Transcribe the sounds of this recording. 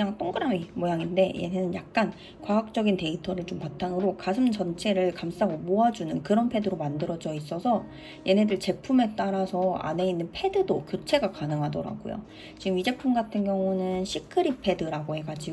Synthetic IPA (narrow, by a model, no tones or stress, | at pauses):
aŋt͈oŋɡɯɾamimojaŋinde̞jenɦe̞nɯnjak̚k͈an | kwaɦak̚t͡ɕ͈ʌɡinte̞itʰʌɾɯɭt͡ɕompatʰaŋɯɾokasʰɯmt͡ɕʌnt͡ɕʰe̞ɾɯɭkams͈aɡomoad͡ʑunɯnkɯɾʌnpʰe̞dɯɾomandɯɾʌd͡ʑʌis͈ʌsʰʌ | jʔe̞nɦe̞dɯɭt͡ɕe̞pʰume̞t͈aɾasʰʌa̰ne̞inːɯnpʰe̞dɯdokjot͡ɕʰe̞ɡakanɯŋɦadʌɾa̰ɡo̰jo̰ | t͡ɕiɡɯmid͡ʑe̞pʰumɡatʰɯnɡjʌŋunɯnɕʰikʰɯɾipʰe̞dɯɾaɡoɦe̞ɡad͡ʑi